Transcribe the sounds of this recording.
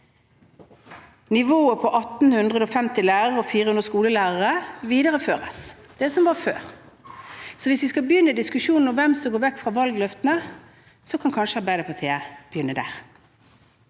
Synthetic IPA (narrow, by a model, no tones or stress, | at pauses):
nɪʋoːəpʰɔʔɑt̪n̩hʉnd̪ʁəd̪ɔfɛmt̪ɪlæːʁəɾəɔfiːʁəhʉnd̪əskuːləlæːʁəʁəʋiːd̪əʁəføːʁə̰s | d̪̥ɛsɔmʋɑfø̰ːʁ | sɔʋɪsʋɪskɑlbjʏnːəd̪ɪskʉʂuːnn̩ɔmʋɛmsɔmɡoːɾʋɛkːfʁɑʋɑlɡlœft̪n̩ə | sɔkʰɑnkʰɑnʃəɑːbæɪd̪əpʰɔt̪ʰeːb̥əjʏnːəd̪æ̰ːʁ